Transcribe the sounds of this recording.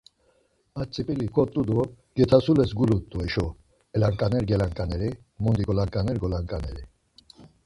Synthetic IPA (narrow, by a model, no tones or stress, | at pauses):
at͡sʼipʼilikʰɔt̪ʼːud̪ɔ | ɡ̥ɛt̪ʰasulɛsɡulut̪ʼːuɛʃɔ | ɛlaŋkʼanɛɾɡɛlaŋkʼanɛɾi | mund̪iɡɔlaŋkʼanɛɾɡɔlaŋkʼanɛɾi